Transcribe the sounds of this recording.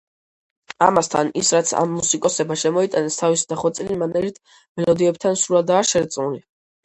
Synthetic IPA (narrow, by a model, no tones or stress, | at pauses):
a̰mast̪ʰa̰nisɾat̪sʰa̰mːusikʼɔsɛbaʃɛmɔit̪ʼanɛst̪ʰavisi̥d̪aχɔt̪sʼilimanɛɾit̪ʰ | mɛlɔd̪iɛp̚t̪ʰansɾuɾad̪aːʃɛɾt̪sʼnuli